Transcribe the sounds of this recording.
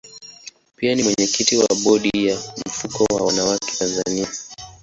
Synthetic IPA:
pianimwɛɲɛkitiwaɓɔɗijam̩fukɔwawanawakɛ̥tanza̰nia

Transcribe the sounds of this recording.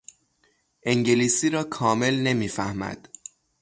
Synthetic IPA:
ʔeŋɟe̞liːsiːɾɒːkʰɒːme̞lne̞miːfæhmæ̰d̪̥

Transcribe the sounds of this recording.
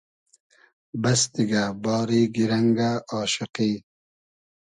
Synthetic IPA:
bɐst̪iɡabɑːɾiːɡiɾɐŋɡaɑːʃɪqiː

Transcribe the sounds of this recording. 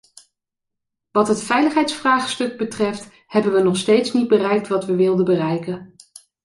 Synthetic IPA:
ʋɑtɦətfɛjləχɦɛjtsfraːχstɵɡ̚bətrɛft | hɛbənʋənɔχstejtsnid̚bərɛjk̚tʋɑtʋəʋɪlˠdəbərɛjkən

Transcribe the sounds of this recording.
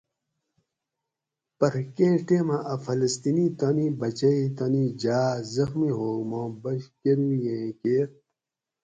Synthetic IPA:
pɐɾkẽːʈeːmaʔɐfɐlɐst̪init̪ɐnibɐt͡ɕɐit̪ɐnid͡ʑaːzɐxmiɦoːmõːbɐɕkeɾijẽːkeːɾ

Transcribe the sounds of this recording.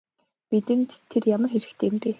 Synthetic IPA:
pit̪ɘ̆nt̪ʰːerjamə̆rxeɾɘ̆kt̪ʰĕːmpeː

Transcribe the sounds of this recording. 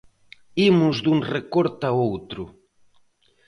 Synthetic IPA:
imʊzd̪uŋrekoɾt̪aowt̪ɾʊ

